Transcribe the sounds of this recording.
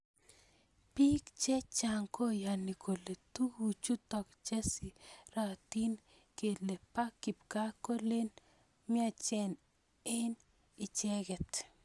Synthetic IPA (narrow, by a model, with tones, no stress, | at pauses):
pi˦kt͡ʃɛ˦t͡ʃa˨ŋko˦ja˨ni˨ko˨le˨t̪u˦ɡu˨t͡ʃu˦t̪ɔ˨kt͡ʃɛ˦si˨ɾa˨t̪i˦n | ke˨le˨pa˦ki˨p̚ka˦ko˦le˦n | mɪ˦a˦t͡ʃɛ˦n | e˦n | ɪ˨t͡ʃɛ˦ɡɛ˨t̪